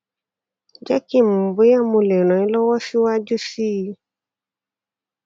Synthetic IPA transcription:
d͡ʒa˦ki˦˨m̩˨bo˨˦ja˦˨mõ˧lɛ˨ñɔ̃˨ĩ˦lɔ˦wɔ˦si˦wa˦d͡ʒu˦si˦˨˧

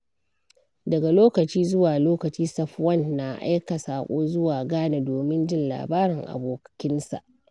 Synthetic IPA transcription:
dɐ˨ɡa˨loː˦kɐ˨t͡ʃiː˦zʊ˦waː˨loː˦kɐ˨t͡ʃiː˦sɐ˨ɸwɐ˦˨nːa˨ʔa̰˦jka˨saː˨kʷʼoː˦zʊ˦waː˨ɡaː˦na˨doː˨mɪ˦nd͡ʒɪ˦nla̰ː˨baː˦ɽɪ˨ŋʔa̰˨boː˨kɐ̥˨kʲɪ˦nsa̰˨ʔ

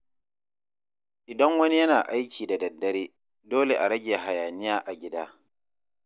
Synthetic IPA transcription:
ʔɪ˨dɐ˦ŋwɐ˦ni˦jɐ˦naː˨ʔa˦jkʲiː˨da˨dɐ˨dːɐ˦ɾeː˦ | doː˦le˨ʔa˨ɾɐ˦ɡʲeː˨ɦa˨jaː˨nɪ˦jaː˦ʔa˨ɡʲɪ˦daː˦

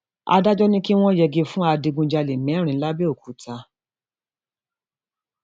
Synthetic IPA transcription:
a̰˧da˦d͡ʒɔ˦nĩ˦ki˦w̃ɔ̃˦jɛ˧ɡe˧fũ˦a˧di˧ɡũ˧d͡ʒa˧le˨mɛ̃˨˦ɾ̃ĩ˨˦la˦bi˦o˦˨ku˨˦ta˧

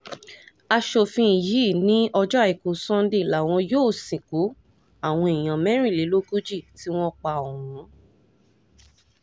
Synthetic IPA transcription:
a˧ʃo˧fĩ˧i˨ji˨˦˨nĩ˨˦ɔ˧d͡ʒɔ˦a˦˨i˨kũ˨sɔ̃˦˧n˦de˦˨la˨w̃ɔ̃˧joː˦˨sĩ˨ku˨˦ | a˦˨w̃ɔ̃˧i˨j̃ã˨mɛ̃˦ɾ̃ĩ˦˨li˨˦lo˦ku˦d͡ʒi˦˨ti˨˦w̃ɔ̃˦k͡pa˧˨o˨wɔ̃˨˦

